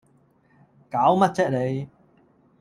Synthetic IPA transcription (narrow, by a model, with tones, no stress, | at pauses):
kaː˨˥wmɐ˥t̚t͡sɛː˥t̚le˨˧j